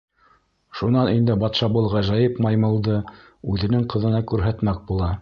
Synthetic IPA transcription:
ʃunɑnind̪ɘbɑt̪ʃɑbɤlˠʁæʒæjɤpmɑjmɤ̆lˠd̪ɤ | ʉðɘ̆nɘŋqɤ̆ðɤ̆nɑkʉɾɦæt̪mæk̚bulˠɑ

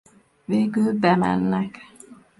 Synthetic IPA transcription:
veːɡylbɛmɛ̰nːɛk

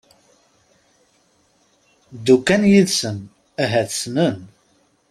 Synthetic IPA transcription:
d̪ukːænjiðsən | æɦæθsnən

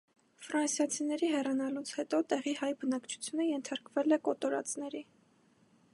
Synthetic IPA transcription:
fɾɑnsjɑt͡sʰinɛɾiɦɛrɑnɑlut͡sʰhɛt̪ɔt̪ɛʁihɑjbənɑkt͡ʃʰu̥t͡sʰjunəjɛnt̪ʰɑɾkvɛlɛkɔt̪ɔɾɑ̰t͡snɛɾi

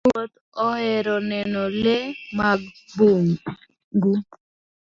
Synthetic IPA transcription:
wot̪ | ɔhɛɾɔnɛnɔlemaɡboŋ | ɡu

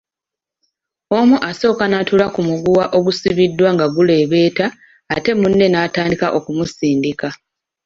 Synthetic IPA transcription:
o̞muʔaso̞ːkanatulakumuɡuwaʔo̞ɡusiβidːwaŋɡaɡule̞ːβe̞ːtaː | te̞munːe̞naːtaːndikaʔo̞kumusiːndika

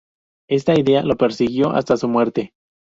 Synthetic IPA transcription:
e̞st̪aiðe̞alo̞pe̞ɾsiɣjo̞ʔa̰st̪asumwe̞ɾt̪e̞

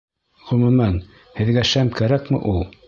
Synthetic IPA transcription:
ʁɵ̆mʉ̆mæn | hɘ̆ðɡæʃæmkæɾækmɘ̰ʔulˠ

